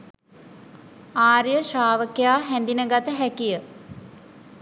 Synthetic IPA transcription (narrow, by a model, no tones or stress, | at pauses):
aːɾijəʃaːʋəkejaːɦɛnd̪inəɡat̪əɦækijə